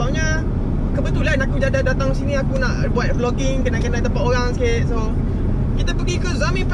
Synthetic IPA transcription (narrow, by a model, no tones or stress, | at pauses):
aŋɲa | kəbət̪ulanakud͡ʒadadat̪aŋsiniakunaʔbuat̪̚flɔkɪŋkənaʔkənat̪əmpaʔoɾaŋsəkɪt̪̚so | kit̪apəɡikəzamĩp